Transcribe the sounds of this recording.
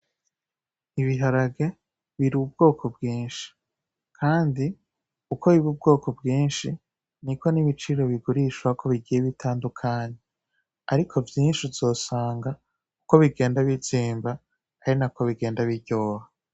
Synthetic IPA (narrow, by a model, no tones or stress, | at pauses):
iβiɦaɾaɡe̞ | βiɾub̚ɡo̞ːkʰo̞bɡiːnʃi̥ | kʰaːndi | ukʰo̞βiβub̚ɡo̞ːko̞bɡiːnʃi | niko̞niβit͡ʃiɾo̞βiɡuɾiʃwakʰo̞βiɟijeβitʰaːndukʰaːɲe | aɾikʰo̞vjiːnʃiz̥o̞ːsaːŋɡa | uko̞βiɡe̞ːndaβiziːmba | kaɾinakʰo̞βiɡe̞ːndaβiɟo̞ːha